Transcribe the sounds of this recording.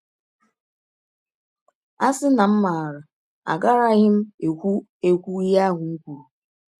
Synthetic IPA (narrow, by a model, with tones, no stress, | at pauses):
a˦sɪ˦na˨m̩˦ma˨a˨ɾa˨ | a̰˨ɡa˦ɾa˦ɣɪ˦m̩˦e˨kʷu˦ | e˦kʷu˦ja˦ɦʊ˨ŋ̩˦kʷu˨ɾu˨